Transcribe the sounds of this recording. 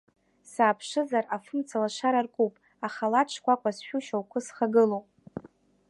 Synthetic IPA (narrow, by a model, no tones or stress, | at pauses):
saːpʰʂɨzarafɨmt͡sʰalaʂaɾarkʼupʼ | aχalaʈ͡ʂʷʰkʷʰakʷʰʼasʃᶣuʃawkʷʰʊsχaɡɨlowpʼ